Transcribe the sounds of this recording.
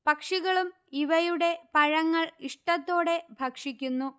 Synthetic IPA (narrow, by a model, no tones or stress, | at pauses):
pɐkʂiɣɐɭum | iʋɐjuɽe̞pɐɻɐŋːɐɭiʂʈɐt̪ːo̞ːɽe̞bʱɐkʂikʲːunːu